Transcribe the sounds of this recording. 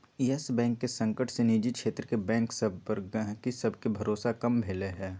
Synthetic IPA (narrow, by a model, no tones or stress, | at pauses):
iːɛsbɛ̃ːŋkːesɐ̃ŋkəʈseniːd͡ʒikʃeːt̪ɾəkebɛ̃ːŋksɐbpəɾkisɐbʱkebʱɐɾoːsakɐmbʱeːleɦɛ̃ː